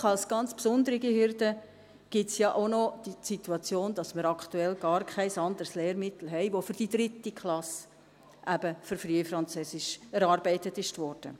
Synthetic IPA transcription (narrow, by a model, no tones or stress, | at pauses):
ɑlsɡ̥ɑnt͡spsʊnd̪əɾiɡihɪɾdə | ɡ̥ɪtsjɑʔonɔd̥isituɑt͡sjoːnd̥ɑsməɾɑktuɛlɡ̥ɑːɾkʰæɪsɑnd̪əɾsleːɾmɪt̪l̩ɦɛɪʋofyɾd̥idɾɪtikχlɑs | ʔæbəfʏɾfriːəfɾɑnt͡søsɪʃɛɾɑɾbɛɪtətɪʃtvɔɾd̥ə̰